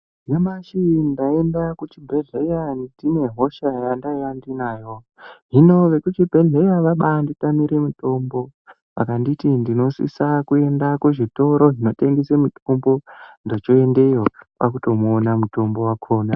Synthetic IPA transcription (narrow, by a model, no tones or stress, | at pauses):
nemaʃindae̞ndakut͡ʃibʱe̞ɮejandine̞ɦoʃajandajandinaːjo̞ | ɦino̞ʋe̞kut͡ʃibʱe̞ɮejaʋaɓanditamiɾe̞muto̞mbo̞ | ʋa̰kanditindino̞sḭsakue̞ndakweʐito̞ɾo̞ɦino̞te̞ŋɡesemutombondot͡ʃo̞e̞nde̞jopakuto̞muːnamuto̞mbo̞wakʰo̞ːna